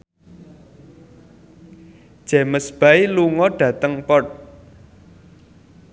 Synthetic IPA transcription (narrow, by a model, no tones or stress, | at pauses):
d̥ʒ̥ɛ̤məsb̥a̤iluŋɔɖ̥ä̤t̪əŋpɔt̪̚